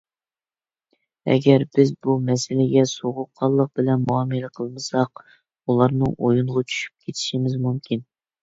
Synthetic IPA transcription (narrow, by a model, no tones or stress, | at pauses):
ɛ̰ɡʲɛɾbɪzbumɛsɪlɪɡʲɛsoʁʊqʰːɑlˠːəq̚bɪlɛnmuɑmɨləqʰəlˠmɨsɑq̚ | ulˠɑɾnɨ̰ŋojunʁɑt͡ʃʰy̥ʃy̥p̚kʲʰet̪ʰɪ̥ʃimɪzmumkʲin